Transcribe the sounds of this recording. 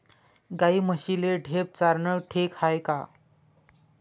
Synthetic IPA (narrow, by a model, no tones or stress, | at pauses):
ɡaiməɕileɖʱep̚t͡saɾɳəʈʰekhajka̰